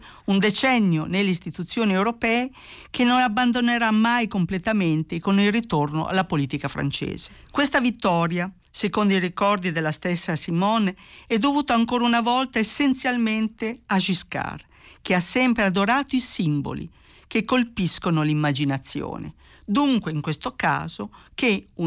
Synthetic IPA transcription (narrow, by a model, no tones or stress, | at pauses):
und̪et͡ʃɛnːjonelːeist̪it̪ut̪sːjoːniewɾopɛːe | k̟enːonabːand̪oneɾamːajkomplet̪ament̪ekonilrit̪orno̰ʔa̰lːapoliːt̪ikafɾa̰nt͡ʃḛːz̥e̥ | kwest̪avit̪ːɔːɾja | sekond̪oirikɔrd̪id̪elːast̪esːasimɔneɛd̪ːovuːt̪oaŋkoːɾaunavɔlt̪aesːent̪sjalment̪eaʃiska̰r | keasːɛmpɾead̪oɾaːt̪oisimbo̰lḭ | kekːolpiskonolimːad͡ʒinat̪sːjo̰ːnḛ | d̪uŋkweiŋkwest̪oka̰ːzokeu